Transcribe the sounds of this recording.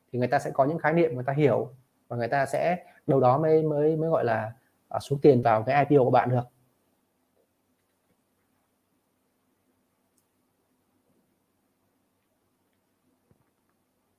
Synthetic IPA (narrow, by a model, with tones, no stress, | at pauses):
t̪ʰi˨˩ŋ˨˩jt̪aː˧sɛ̰˧˥kɔ˨˦ɲɨ̰˧˥ŋxaː˨˦jnḭ˧˨mː˨˩t̪aː˧ɦi˧˩əw | vaː˨˩ŋɨ˨˩ə˩jt̪aː˧sɛ̰˧˥ | ɗə˨˩wɗɔ˨˦məː˨˦jməː˨˦jməː˨˦jɣɔ̰˧˨jlaː˨˩ | ʔsu˨˦əŋt̪i˨˩ənvaː˨˩wkaː˨˦jʔa˧jpi˧ə˧kə˩ɓ̰a̰ː˧˨nɗɨ˨˩ək̚